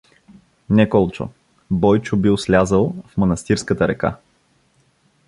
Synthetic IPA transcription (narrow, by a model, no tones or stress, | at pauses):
nɛkɔlˠt͡ʃo̰ | bɔjt͡ʃʊbiʊslʲazəlˠfmɐnɐst̪iɾskət̪əɾɛka̰